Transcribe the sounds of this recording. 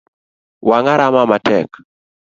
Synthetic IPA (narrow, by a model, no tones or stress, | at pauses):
waŋaɾamamatɛ̰k